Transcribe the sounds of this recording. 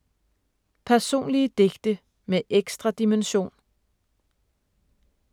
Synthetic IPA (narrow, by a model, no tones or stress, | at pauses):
pʰæɐso̝̰ːnliəd̥e̝ɡ̥d̥ə | meʔeɡ̥sd̥ʁɑd̥imenɕo̝̰ːn